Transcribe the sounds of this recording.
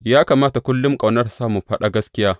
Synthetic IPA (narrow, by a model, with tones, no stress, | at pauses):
jaː˦kaː˨maː˦ta˨kʷʊ˦lːʊ˦ŋkʼa˨wnɐ˦rsaː˦mu˨ɸɐ˦ɗa˦ɡɐ˦skʲɪ˦jaː˦